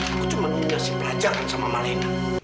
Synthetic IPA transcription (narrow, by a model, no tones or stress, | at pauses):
kut͡ʃumanuɲasipəlad͡ʒaŋansama̰malajna